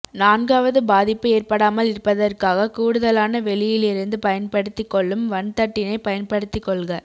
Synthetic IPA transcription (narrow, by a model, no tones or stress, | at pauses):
naːnɡaːʋɐðɯbaːðɪpːɯeːrpɐɽaːmɐlɪɾɯpːɐðɐrkaːɣɐkuːɽɯðɐlaːnɐʋɛɭɪjɪlɪɾɯnd̪ɯpɐjɐnpɐɽɯt̪ːɪkːɔɭːɯmʋɐnt̪ɐʈːɪnɐɪpɐjɐnpɐɽɯt̪ːɪkːɔɭɣɐ